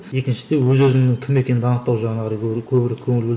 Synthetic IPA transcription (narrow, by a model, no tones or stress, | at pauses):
je̞kʲɪnʃɪ̥d̪e̞wɵzɵzɪmnɪŋkʲʰɪme̞kʲe̞nɪd̪ɑnəq̚t̪ɑwʒɑʁənɑʁɾəkʲʰɵbɪɾekʲʰɵŋɪlb̪